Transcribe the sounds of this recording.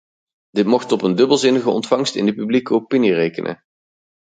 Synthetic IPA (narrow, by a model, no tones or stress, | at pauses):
d̥ɪtmɔχtɔpəndɵbəlˠzɪnəɣəɔ̰ntfɑŋstɪ̰ndəpyblikəopinirejkənʔə̰